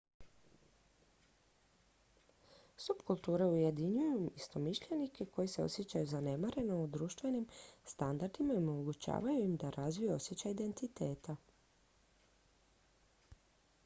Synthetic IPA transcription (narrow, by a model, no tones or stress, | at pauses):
subkulˠt̪uːɾe̞uje̞d̪iɲujuist̪o̞miʃʎe̞nike̞kʰo̞jise̞o̞̰sje̞t͡ɕajuzane̞maɾe̞no̞ud̪ɾuːʃt̪ʋe̞nimst̪and̪aɾd̪imaomoɡut͡ɕa̰ːʋajuimd̪aɾʔazʋijeo̞sje̞t͡ɕaid̪e̞nt̪it̪e̞ːt̪a